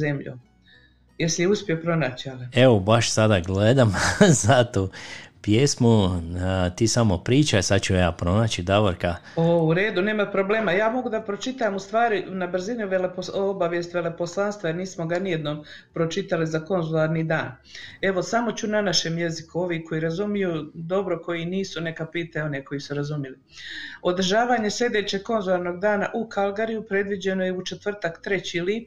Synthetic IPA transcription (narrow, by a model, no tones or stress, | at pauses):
zemʎṵ | jesijeuspiopɾo̞naːt͡ɕalieʋobaʃsad̪aɡled̪amzat̪uːpjesmu | t̪iːsamopɾiːt͡ʃasad̪t͡ʃujaːpɾo̞naːt͡ɕid̪aʋoɾkaouɾe̞ːd̪uneːmapɾo̞ble̞ːmajaːmo̞ɡud̪apɾot͡ʃit̪amust̪ʋaːɾinabr̩ziniʋe̞lepoobaʋje̞st̪ʋe̞le̞po̞slˠanst̪ʋaeɾniːsmoɡanijed̪noːmpɾo̞t͡ʃit̪alizako̞nzulˠaːɾnid̪aːn | e̞ʋo̞samo̞t͡ɕunanaʃe̞mje̞zikuo̞ʋiːko̞iɾazumijud̪o̞bɾo̞ko̞jiniːsune̞kapiːt̪ajeo̞neko̞isuɾazumjili | o̞d̪r̩ʒaːʋaːɲe̞slʲʎʲe̞d̪et͡ɕe̞ɡ̚ko̞nzulˠaɾno̞ɡd̪aːna̰ʔukalˠɡaɾijupɾe̞d̪ʋid͡ʑe̞no̞jeut͡ʃet̪ʋr̩t̪akt̪ɾe̞t͡ɕili